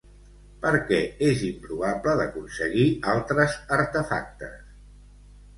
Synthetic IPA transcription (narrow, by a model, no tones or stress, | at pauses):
pəɾkɛezimpɾuβapləðəkunsəɣialˠt̪ɾəzəɾt̪əfa̰k̚t̪əs